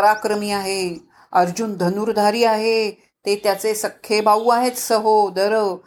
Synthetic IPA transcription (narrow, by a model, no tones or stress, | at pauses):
ɾakɾəmiːaɦe | əɾd͡ʑund̪ʱənuɾd̪ʱaɾiːaɦe | t̪et̪jat͡sesəkʰːebauaɦet͡ssəɦod̪əɾ